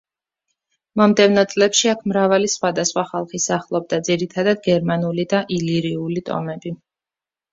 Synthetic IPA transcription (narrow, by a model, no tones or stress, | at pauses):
mɔmd̪ɛvnɔt̪sʼlɛpʃiakʰmɾavalisχwad̪asχwaχalˠχisaχlˠɔb̚d̪ad̪ziɾit̪ʰad̪ad̪̚ɡɛɾmanulid̪aʔiliɾiulit̪ʼɔ̰mɛbi